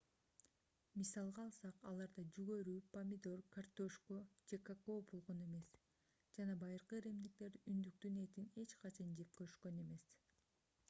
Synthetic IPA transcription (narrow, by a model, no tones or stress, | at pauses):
misɑlˠʁɑːlˠsɑqɑlˠɑɾd̪ɑd͡ʒyɡøɾyːpamʲid̪o̞rkart̪oʃkod͡ʒe̞kako̞bolˠʁo̞ne̞me̞s | d͡ʒɑnɑbɑjɯɾqɯeɾe̞md̪ik̚t̪e̞ɾynd̪yk̚t̪yne̞t̪ine̞t͡ʃqɑt͡ʃʰɑnd͡ʒe̞p̚køɾʃkø̞ne̞me̞s